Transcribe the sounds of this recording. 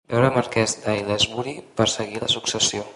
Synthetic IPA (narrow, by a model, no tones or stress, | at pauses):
ɛwɾəməɾkɛzd̪ajlezmuɾipəɾsəɣiləsuksəsio